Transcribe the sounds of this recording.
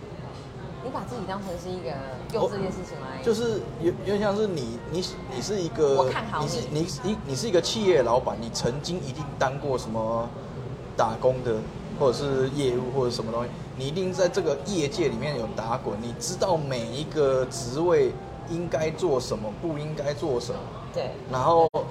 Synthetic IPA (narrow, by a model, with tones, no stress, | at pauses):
ni˨˥pa˨˩t͡sɹ̩˥˩t͡ɕi˨˩t̪ɑ˥ŋʂʰə˧˥nʂɻ̩˥˧i˥˩ɡə˩ | jo˥˧˨t͡sɤ˥˧˩t͡ɕjɛ˥˧nʂɻ̩˥˩t͡ɕʰi˨˩ŋlt͡ɕjo˥˧ʊʂ̬ɻ̩˥˩jjɕjɑ˥˧ŋʂɻ̩˥˩ni˨˩ni˨˩˨ni˨˩ʂɻ̩˥˩i˧˥ɡə˧˨a˥˩nɑ˨˩˥ni˨˥ni˨˩ʂ̬ɻ̩˥˩i˧˥ɡə˧t͡ɕʰi˥˧jɛ˥˩lɑ˧˦ʊpa˨˦nni˨˩t͡sʰə˧˥ŋt͡ɕi˦ŋi˧˥t̪i˥˩ŋt̪a˦ŋkwɔ˥˩ʂə˧˦nmə˨ | t̪a˨˩kɔ˦˥ŋd̪ə˨ | xwɔ˥˩ʈ͡ʂɤ˨˩ʂɻ̩˥˧jɛ˥˧u˥˧xwɔ˥˩ə˨˩˥ʂə˧˦nmə˧t̪o˥ŋɕi˨˩ni˨˩i˧˦t̪i˥˧ŋt͡sa˥˧ɪʈ͡ʂɤ˥˩ɡə˨jɛ˥˧t͡ɕjɛ˥˨li˨˩mjɛ˥˨njo˨˩ʊt̪a˨˥˦kwə˨˩˦nni˨˩ʈ͡ʂɻ̩˥t̪ɑ˥˩ʊme˨˩ɪi˧˥ɡə˨ʈ͡ʂɻ̩˧˥˦we˥˩ɪ | i˦˥ŋka˦˥ɪt͡swɔ˥˩ʂə˧˦nmə˨pu˥˧i˦ŋka˥ɪt͡swɔ˥˩ʂə˨˦mə˨˩t̪e˥˩na˧˥nxo˥˩ʊ